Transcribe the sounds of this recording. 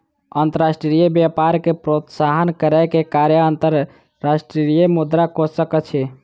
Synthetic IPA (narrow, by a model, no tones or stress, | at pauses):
ənt̪əɾasʈɾɾijəbjapaɾkepɾot̪saɦənkəɾakekaɾjəənt̪əɾ | ɾasʈɾiɾijəmud̪ɾakosəkət͡ʃʰɛ